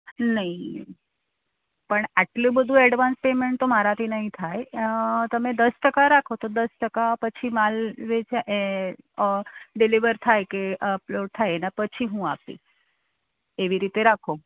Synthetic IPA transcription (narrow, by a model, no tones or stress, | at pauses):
nəɦĩ | pəɳaʈlũbəd̪ʱũɛɖʋanspemeɳʈt̪omaɾat̪ʰinəɦĩt̪ʰajt̪əmed̪əsʈəkaɾakʰot̪od̪əsʈəkapət͡ʃʰimalʋet͡ʃʰaʔe | ɖiliʋəɾt̪ʰajkeʔəploɖ̚t̪ʰajenapət͡ʃʰiɦũapḭ | eʋiɾit̪eɾakʰo